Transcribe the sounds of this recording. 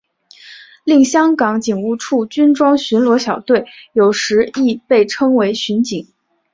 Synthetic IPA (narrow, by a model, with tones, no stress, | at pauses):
li˥˩ŋɕjɑ˥ŋkɑ˧˥ŋt͡ɕi˨˩ŋu˥˧ʈ͡ʂʰu˥˩t͡ɕy˥nʈ͡ʂwɑ˥ŋɕy˧˥nlwɔ˧˥ɕjɑ˨˩ʊt̪we˥˩ɪjo˨˩ʊʂɻ̩˧˥i˥˧pe˥˩ɪʈ͡ʂʰɤ˥ŋwe˧˥ɪɕy˧˥nt͡ɕi˨˩˦ŋ